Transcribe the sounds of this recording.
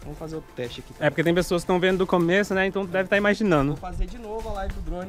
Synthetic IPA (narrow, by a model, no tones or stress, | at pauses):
vɐ̃mʊfazeɾot̪ɾʊ̥t̪ɛʃt͡ʃɪakit̪ɛpoɾket̪ẽpesoɐskɪ̥t̪ɐ̃w̃vẽnd̪ʊd̪ʊkomesʊnɛẽnt̪ɐ̃w̃t̪ud̪ɛvɪt̪aimaʒinɐ̃nd̪ʊ̃fazed͡ʒinovʊalaipʊd̪ɾõn